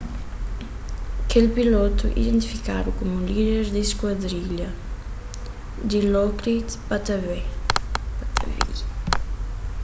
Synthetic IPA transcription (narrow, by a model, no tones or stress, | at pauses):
kelpilot̪uʔḭd̪ẽnt̪ifika̰d̪ukomulideɾd̪iskwad̪ɾiʎɐ | d̪ilɔkɾit̪pat̪ave | pat̪ʰa̰vḭ